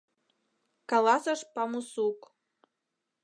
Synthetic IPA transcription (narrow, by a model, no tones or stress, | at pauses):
kɑlɑsəʃpɑmusuk